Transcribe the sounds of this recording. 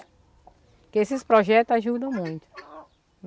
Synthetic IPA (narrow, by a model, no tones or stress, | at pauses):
kɪesɪspɾɔʒɛt̪ʊzaʒud̪ɐ̃w̃mũj̃t̪ʊ̥